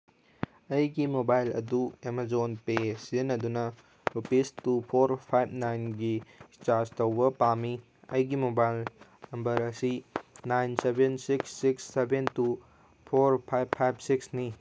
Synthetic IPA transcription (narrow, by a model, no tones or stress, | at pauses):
ɐjɡimobajlɐ̰duemazonpesenɐdunɐ | upistupʰoɾpʰajb̚ʱʰnajnɡit͡ʃastɐwbɐpami | ɐ̰jɡimobajlnɐmbɐɾɐsinajnsebensiksːiksːebʱentu | pʰoɾpʰajbʰajb̚ʰsiksni